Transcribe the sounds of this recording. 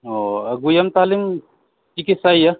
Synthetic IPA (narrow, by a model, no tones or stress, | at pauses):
oɐɡujɐmt̪aːlim | kikisajja